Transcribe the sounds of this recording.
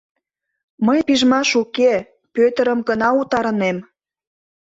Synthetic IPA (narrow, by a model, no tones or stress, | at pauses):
məjpiʒmɑʃuke | pøt̪ə̆ɾəmɡənɑut̪ɑɾənem